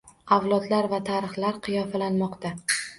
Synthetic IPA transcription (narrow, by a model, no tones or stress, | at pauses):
awlˠɒd̪laɾvat̪ʰaɾɨχlaɾqʰɨjɒfalanmɒqt̪a